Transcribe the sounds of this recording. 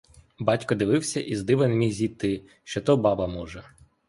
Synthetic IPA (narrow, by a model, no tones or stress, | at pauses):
bɑtʲkɔd̪ɪʋɪwsʲɐʔizd̪ɪʋenmʲijzʲit̪ɪ | ʃt͡ʃɔt̪ɔbɑbɐmɔʒɛ